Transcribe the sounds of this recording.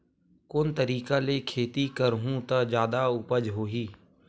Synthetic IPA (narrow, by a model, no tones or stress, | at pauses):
kʊːnt̪əɾiːkalekʰeːt̪ikəɾɦũt̪ɐd͡ʒjaːd̪aʊpəd͡ʒɦoːɦiː